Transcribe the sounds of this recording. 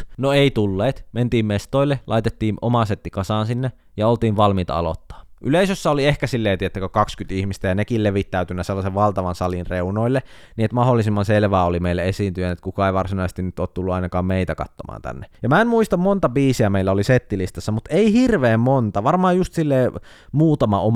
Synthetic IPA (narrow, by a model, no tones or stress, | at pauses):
noeit̪ulːeːt̪ment̪iːmmest̪oilːelɑit̪et̪ːiːno̰mɑset̪ːikɑsɑːnsinːe | jɑolt̪iːʋʋɑlmit̪ɑɑ̰lo̰t̪ːɑ̥ːʔyleisøsːæoliehkæsilːeːt̪iet̪ːækøkɑkskyt̪ihmist̪æjɑnekilleʋit̪ːæyt̪ynːæselːɑseʋʋɑlt̪ɑʋɑnsɑlinreunoilːe | niet̪mɑholːˑisimːɑnselʋæːolimeilːeesiːnt̪yjænet̪kukɑeiʋɑrsinɑisest̪inyt̪oːt̪t̪ulːuɑinɑkɑːmmeit̪ækɑ̰t̪ːomɑ̰ːnt̪æ̰nːejɑmæemmuist̪ɑmmont̪ɑbiːsiæmeilːæoliset̪ːilist̪ɑsːɑmut̪eihirʋeːmmont̪ɑʋɑrmɑːjjust̪silːeː | muːt̪ɑmɑo